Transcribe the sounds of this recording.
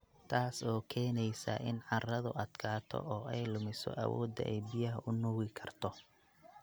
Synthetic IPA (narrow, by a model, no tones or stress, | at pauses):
t̪ʰaːsɔːkʰɛːnɛjsɐ̰ʔɪnʕɑrɐðʊʔɐd̪̥kʰaːt̪ʰɔ̰ʔɔːʔɛjlʊmɪsɔ̰ʔɐwɔ̰ːd̪ɐ̰ʔɛjbɪjɐɦɐʔʊnʊwɪkʰɐrt̪ʰɔ